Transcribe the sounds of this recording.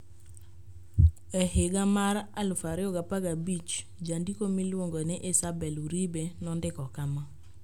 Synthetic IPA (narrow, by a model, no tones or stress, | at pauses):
ɛhɪɡamaɾalʊfaɾɪoɡapaɡabit͡ʃ | d͡ʒandikomilwoŋɡonɪʔɪsabɛluɾibenɔndɪkɔkama